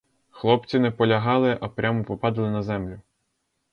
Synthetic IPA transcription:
xlˠɔpt͡sʲinɛpɔlʲɐɦɑlˠɪʔɐpɾʲamɔpɔpɑd̪ɪlˠɪnɐzɛmlʲʊ

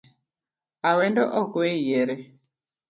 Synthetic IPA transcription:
awɛndɔʔɔkwejɛɾɛ

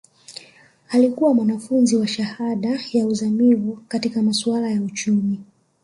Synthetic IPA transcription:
alikuwamwanafunziwaʃahaɗajauzamivukatikamaswalajaut͡ʃumi

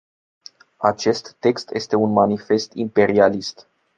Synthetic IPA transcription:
at͡ʃe̞st̪ːe̞kst̪je̞st̪e̞unmanife̞st̪ḭmpe̞ɾialist̪

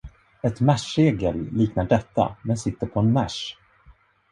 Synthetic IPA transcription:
ɛt̪mæʂeːɡəlːiːknaɖɛt̪ːa̰mɛnsɪt̪ːəɾpʰɔɛnmæʂ

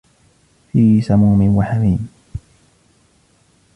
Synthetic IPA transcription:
fiːsamuːmɪnwaħamiːm

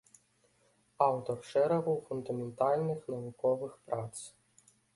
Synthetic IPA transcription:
awt̪ɔrfʂɛɾɐbɨwfund̪ɐmʲɛnt̪alʲnɨxnɐvukɔvɨxpɾat̪s

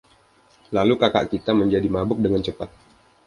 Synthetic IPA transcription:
lalukaka̰ʔkit̪aməɲd͡ʒadimabʊk̚dəŋant͡ʃəpat̪̚

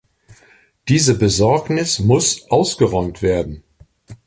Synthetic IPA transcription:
d̥iːzəbəzɔɐknɪsmʊsʔaʊsɡ̥əʁɔʏmtv̥eːɐdn̩

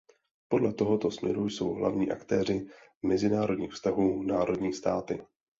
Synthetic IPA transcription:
po̞dlɛt̪o̞ɦo̞t̪o̞smɲɛ̰ɾujso̞wɦla̰vɲiːʔa̰kt̪ɛːr̝ɪmɛzɪnaːɾo̞dɲiːxfst̪aɦuːnaːɾo̞dɲiːst̪aːt̪ɪ

